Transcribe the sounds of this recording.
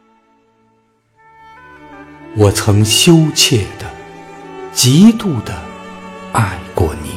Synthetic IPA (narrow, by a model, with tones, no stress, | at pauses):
wɔ˨˩t͡sʰɤ˧˥ŋɕjo˥ʊt͡ɕʰjɛ˥˩d̪̥ə˩ | t͡ɕi˧˥t̪u˥˩d̪ə˨ | a˥˧ɪkwɔ̰˥˩nḭ˨˩˦